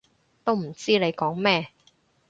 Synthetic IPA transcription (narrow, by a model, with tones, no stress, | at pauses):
t̪o˥wm̩˨˩t͡siː˥ne˨˧jkɔː˨˥ŋmɛː˥